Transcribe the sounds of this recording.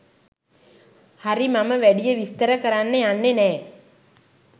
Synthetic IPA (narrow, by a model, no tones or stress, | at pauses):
hɐɾimɐmɐʋɛɽijɐʋist̪ɐɾɐkɐɾaːnːeɐnːeneː